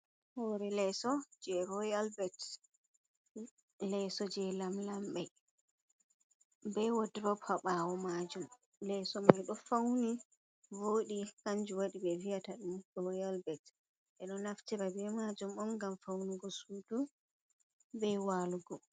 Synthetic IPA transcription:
hɔɾɛlɛsɔd͡ʒɛɾɔjalbɛt | lɛsɔd͡ʒɛlamlambɛ | bɛwodɾɔpʰaɓawɔmad͡ʒum | lɛsɔmajɗɔfawni | voːɗikaɲd͡ʒuwaɗibɛviataɗumɡɔjalbɛt | ʔɛɗɔnaftɛɾabɛmad͡ʒumɔmɡamfawnuɡɔsuːtu | bɛwaluɡɔ

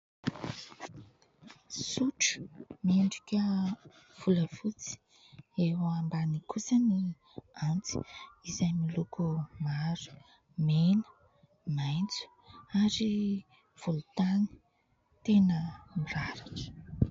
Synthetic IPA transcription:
suʈ͡ʂə̥meɳɖ͡ʐikʲə | v̥uləvut͡si̥i̥ | ewːmbanikʰusəni | ant͡si̥izajmilukumaɾu̥ | menə̥ | majnt͡su̥ | aɾi | v̥ulut̪ani̥ | t̪enəmiɾaɾakə̥

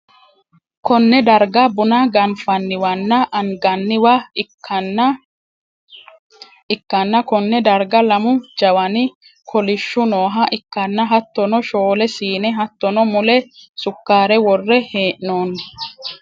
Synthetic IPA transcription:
kɔnːɛd̪ɐɾɡɐbʊnɐɡɐnfɐnːɪwɐnːɐʔɐŋɡɐnːɪwa | ɐn | ɪkːɐnːɐkɔnːɛd̪ɐɾɡɐlɐmʊd͡ʒɐwɐnɪ | kʰɔlɪʃːʊnoːɦɐʔɪkːɐnːɐɦɐt̪ːɔnɔʃoːlɛsiːnɛɦɐt̪ːɔnɔmʊlɛsʊkːaːɾɛwɔrːɛheːʔnoːnːɛ

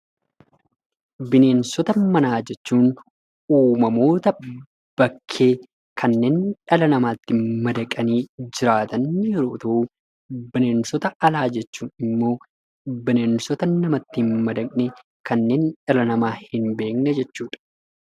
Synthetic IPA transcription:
bɪne̞ːnsɔt̪ɐmɐnaːd͡ʒɛt͡ʃːuːn | uːmɐmo̞ːt̪ɐ | b̥ɐkʰːe̞ː | kʰɐnːe̞ːnᶑɐlɐnɐmaːt̪ːɪmɐd̪ɐkʼɐniːd͡ʒɪɾaːt̪ɐnːjɛɾo̞ːt̪ɐʔuː | bɪne̞ːnsɔt̪ɐʔɐlaːd͡ʒɛt͡ʃːuːnɪmːo̞ː | bɪne̞ːnsɔt̪ɐnɐmɐt̪ːɪhnmɐd̪ɐkʼnɛ | kɐnːe̞ːnᶑɐlɐnɐmaːhɪnbe̞ːknɛd͡ʒɛt͡ʃːuːᶑɐ̥

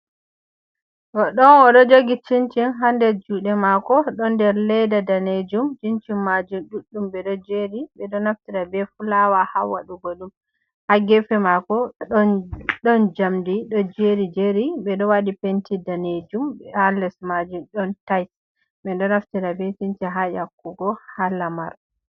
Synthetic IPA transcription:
tɔɗɔnɔɗɔd͡ʒoɡit͡ʃint͡ʃinɦandɛd͡ʒuɗɛmakɔɗɔndɛɾlɛjdadaned͡ʒumt͡ʃint͡ʃimːad͡ʒumɗuɗːumbɛɗɔd͡ʒeɾibɛɗɔnaftiɾabɛfulawahawa̰ɗuɡolum | haɡɛfɛmakɔ | ɗɔnd͡ʒamdiɗɔd͡ʒeɾid͡ʒeɾibɛɗɔwaɗipentidaned͡ʒumbɛalɛsmad͡ʒumɗɔntajt | mɛndɔnaftiɾabɛt͡ʃint͡ʃiɦajakːuɡɔhalama̰ɾ

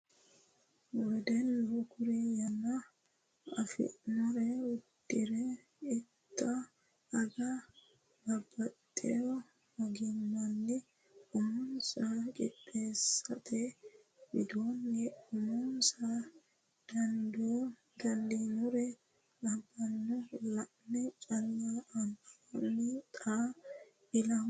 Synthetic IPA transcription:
wɔjd̪ɛnːokʊɾɛjɐnɐ | ɐ̰fɪ̰ʔnʊɾɛwʊd̪ːɪɾɛ | ɪt̪ʰʼːɐː | ɡɐ | bɐbːɐt̪ʼːɛɔ | mɐɡɪmːɐnːɪ | ʊmʊnsakʼɪpʼːeːsːɐt̪ʰɛ | bɪd̪oːnːɛʊmʊnsa | d̪̥ɐnd̪o | ɡɐnd̪inʊɾɛ | lɐbːɐnːɔlɐʔnɛt͡ʃʼɐlːaʔɐmɐɐnːɪt̪ʼaː | ɪlɐ

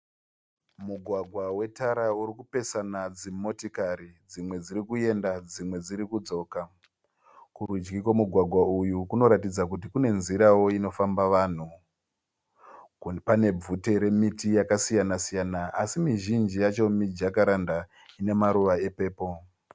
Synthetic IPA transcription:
muɡʱwaɡʱwawe̞taɾauɾikupe̞sanad͡zimo̞tikaɾid͡zimwe̞d͡ziɾikue̞ndad͡zimwe̞d͡ziɾikud͡zo̞ːka | kurud͡ʒɡikomuɡʱwaɡʱwaujukuno̞ɾatid͡zak̬utikune̞nziɾawo̞ino̞fambaʋan̤u | pane̞b͡vute̞ɾe̞mitijakasijanasijanaʔasimiʒind͡ʒijat͡ʃomid͡ʒakaɾanda | ine̞maɾuʋae̞pe̞ːpo̞

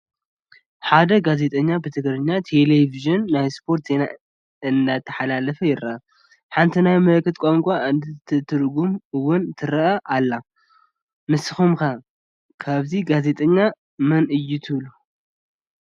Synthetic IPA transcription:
ħad̪ɐɡaze̞t̪ʼɐɲːabɨt̪ʰɨɡɾɨɲːat̪ʰe̞leviʒɨnːajspʰo̞ɾt̪zena̰ | ɨnd̪at̪ʰːɐ̥ħalalɐfɐjɪɾɐʔɐ | ħant̪ʰinajmɐlkʰːɨt̪̚kʼomkʷʼaɨnd̪ɨt̪ʰɨt̪ʰɨɾɡumɨwʊnt̪ʰɨɾɐʔɐʔalːa | mɨsɨxumkɐ | kʰaβziɡaze̞t̪ʼɐɲːa | mɐnɨjːut̪ʰɨβlu

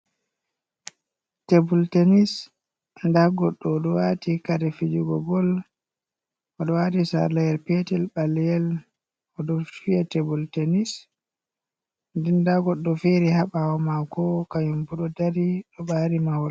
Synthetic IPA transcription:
tebultenis | ndaɡɔɗːɔɗɔwatikadɛfid͡ʒuɡɔ̰bɔl | ʔɔɗɔwatisa̰lajɛlpetɛlɓalɛjɛl | ɔɗɔfiatebultenis | ndindaɡɔɗːɔfeɾihaɓawɔmakɔkajumbuɗɔdaɾiɗɔbaɾimahɔl

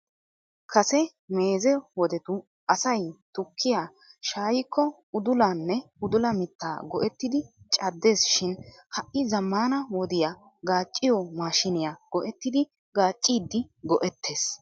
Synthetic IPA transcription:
kʰɐsɛ | meːzɛwɔd̪ɛt̪ʊ | ʔɐsɐjt̪ʊkʰːɪjaː | ʃaːjɪkːɔ | ʊd̪ʊlaːnːɛʊd̪ʊlɐmɪt̪ːa̰ːɡɔʔɛt̪ːɪd̪ɪt͡ʃʼɐd̪ːe̞ːsʃɪn | hɐʔːɪzɐmːaːnɐwɔd̪ɪja | ɡaːt͡ʃʼːɪjɔmaːʃɪnɪjaɡ̥ɔʔɛt̪ːɪd̪ɪ | ɡaːt͡ʃʼːiːd̪ːɪɡɔʔɛt̪ʰːe̞ːs

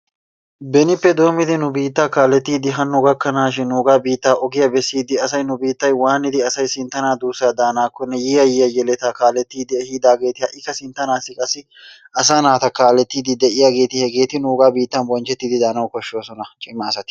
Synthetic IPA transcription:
bɛnɪpːɛd̪o̞ːmɪd̪ɪnʊbiːt̪ːaːkaːlːɛt̪ːiːd̪ɪɦɐnʊɡɐkːɐnaːʃ̬ɪnːuːɡaːbiːt̪ːaːʔɔɡɪjɐbɛsːiːd̪ɪɐsɐjnʊbiːt̪ːɐjwaːnɪd̪ɪɐsɐjsɪnt̪ːɐnaːd̪uːsaːd̪aːnaːkːɔnːɛjiːɐjɪːjɐjɛlɛt̪aːkaːlːɛt̪ːiːd̪ɪɛhiːd̪aːɡe̞ːt̪ɪhɐʔɪkːɐsɪnt̪ːɐnaːsːɪkʼɐsːɪ | ʔɐsaːnaːt̪ɐkaːlɛt̪ːiːd̪ɪd̪ɛʔɪjaːɡe̞ːt̪ɪhɛɡe̞ːt̪ɪnuːɡaːbiːt̪ːɐnwɔnt͡ʃːɛt̪ːiːd̪ɪd̪aːnɐwkɔʃːoːsɔnɐt͡ʃʼɪmːɐːsɐt̪ɪ̥

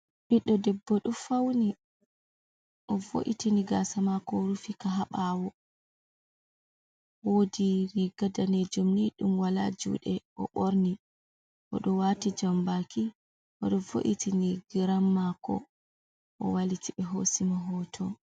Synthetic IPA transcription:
ɓiɗːɔdɛbːɔɗɔfawni | ʔɔvo̰ʔḭtiniɡasamakɔɾufikaɦaɓawɔ | wodiɾiɡadaned͡ʒumniɗumwala̰d͡ʒṵɗɛʔɔ̰ɓoɾni | ʔɔ̰ɗɔwatid͡ʒambaki | ʔɔɗɔvo̰ʔitiniɡiɾamːakɔ̰ | ʔɔ̰walitiɓɛɦosimaɦɔːtʰɔ

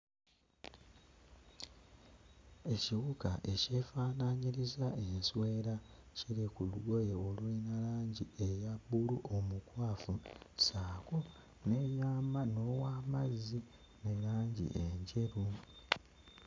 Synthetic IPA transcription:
e̞ciɣukaʔe̞ce̞faːnaɲiɾizaʔenswe̞ːɾa | cilikuluɡo̞jeolulinalaːɲɟie̞jabːuluʔomukwaːfusaːko | nejaːmano̞waːmazːi | nelaːɲɟḭʔeɲɟe̞ɾu

